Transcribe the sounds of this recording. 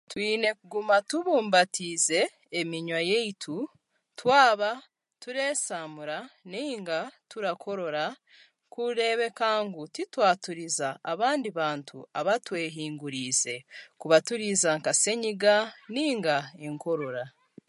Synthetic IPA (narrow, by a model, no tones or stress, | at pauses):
twiːne̞kuɡumatuβuːmbatize̞ː | miɲwajeitʰu | twaːβa | tuɾe̞ːsaːmuɾaniːŋɡatuɾakʰo̞ɾo̞ɾa | kuɾe̞ːβe̞kaːŋɡutitwaːtuɾizaːβaːndiβaːntʰṵa̰βatwe̞ːɦiːŋɡuɾize̞kuβatuɾizaŋkase̞ɲiɡaniːŋɡaeŋko̞ɾo̞ɾa